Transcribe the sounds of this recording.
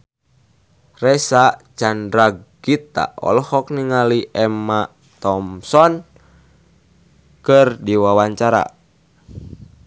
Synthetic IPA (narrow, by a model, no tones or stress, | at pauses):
rɛsat͡ʃandɾaɡ | it̪a̰ɔ̰lɔhɔk̚niŋaliʔɛmːa | t̪ɔmsɔn | kɨrdiwawaɲt͡ʃaɾa̰